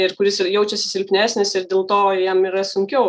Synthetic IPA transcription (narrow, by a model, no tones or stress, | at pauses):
ɪɾkʊɾʲɪsjɛʊt͡ʃʲɛsʲɪsʲɪlʲpʲnʲæːsʲnʲɪsɪrdʲeːlˠt̪oːjɛmiːɾɐsʊŋʲkʲɛʊ